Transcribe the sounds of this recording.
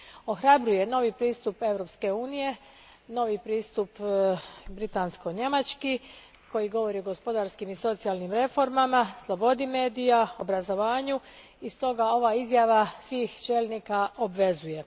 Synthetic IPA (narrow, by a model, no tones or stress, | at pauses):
o̞xɾabɾuje̞no̞ʋipɾiːst̪upe̞ʋɾo̞pske̞uːnije̞ | no̞ʋipɾiːst̪up | bɾit̪ansko̞ɲemat͡ʃki | ko̞jiɡo̞ʋo̞ɾioɡo̞spo̞d̪aːɾskimiso̞t̪sijalˠnimɾe̞fo̞ɾmamaslˠo̞bo̞d̪ime̞ːd̪ijao̞bɾazo̞ʋaːɲu | ist̪o̞ɡao̞ʋaizjaʋasʋiːxt͡ʃeːlʲnikaobʋe̞zuje̞